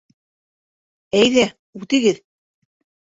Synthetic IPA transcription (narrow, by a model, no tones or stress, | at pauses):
æjðæ | ʉt̪ɘ̆ɡɘð